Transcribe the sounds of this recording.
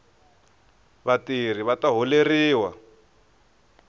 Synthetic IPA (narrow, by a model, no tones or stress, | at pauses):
βatir̤iβataɦuleriːwa